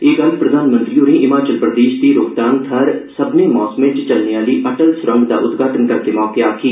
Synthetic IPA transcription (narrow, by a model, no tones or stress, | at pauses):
eːɡəlpɾəd̪ʱaːnmə̃nt̪ɾiːõːnẽʔɪmaːt͡ʃəlpɾəd̪eːʃd̪iːɾoːkd̪aːnt̪ʰəɾsəbneːmɔːsmẽːʈt͡ʃəlniaːliːʔəʈəlsɾə̃ŋɡd̪a̰ːʔʊt̪ɡaːʈənkəɾk̪emɔːkeaːkʰiː